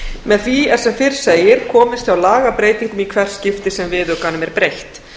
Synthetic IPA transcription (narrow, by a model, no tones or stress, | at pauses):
mɛðθviɛsɛfɪɾ̥seːjɪɾ̥kʰɔːmɪst̪θjawlaːɣapɾeːjt̪iŋkʏmikʰvɛr̥scɪft̪ɪsɛmvɪðʏkanʏmɛɾpɾejht̪